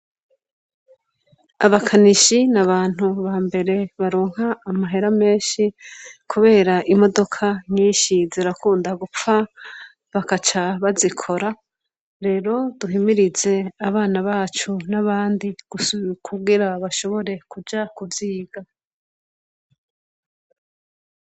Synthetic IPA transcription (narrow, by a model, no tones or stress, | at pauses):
aβakʰaniʃinaβaːn̥huβaːmbe̞ɾe̞βaɾoːŋ̥aːmaɦeɾame̞ːnʃikʰuβe̞ːɾaʔimo̞do̞kʰaɲiːnʃiziɾakuːndaɡup͡fa | βakat͡ʃaβazikʰo̞ɾa | ɾe̞ːɾo̞duɦimiɾize̞aβaːnaβaːt͡ʃunaβaːndiɡ̥ukʰuɡiɾaβaʃo̞βo̞ɾe̞kud͡ʒakuvjiːɡa